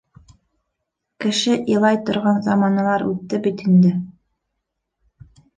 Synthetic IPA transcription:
kɘ̆ʃɘʔilˠɑjt̪ŏɾʁɑnzɑmɑnɑlˠɑɾʉ̰t̪ːɘbit̪ind̪ɘ

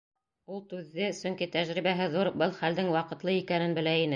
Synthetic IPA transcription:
ulˠt̪ʉðːɘsɵ̆ŋkit̪æʒɾiβæɦɘðuɾbɤlˠχæld̪ɘŋwɑqɤ̆t̪lˠɤikænɘnbɘ̆læinɘ

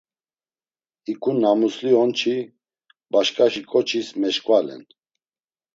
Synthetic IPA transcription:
ikʼunamusliɔnt͡ʃʰi | baʃkʼaʃikʼɔt͡ʃʰismɛʃkʼvalɛ̰n

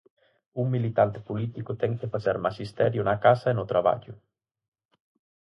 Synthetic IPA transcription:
uŋmilit̪ant̪ɪ̥polit̪ikʊt̪ɛŋkefasaɾmaʃist̪ɛɾjʊnakasaenʊt̪ɾaβa̰ʎʊ

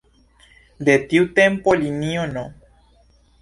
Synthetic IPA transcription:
d̪et̪iut̪empolinĩono

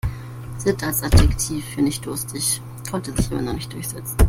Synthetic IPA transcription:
z̥ɪtʰalsʔatɛktʰiːfːyːɐnɪçt̚d̥ʊɐstʰɪç | kʰɔntəzɪçʔa̰ːbɐnɔχnɪçt̚d̥ʊɐçz̥ɛt͡sn̩

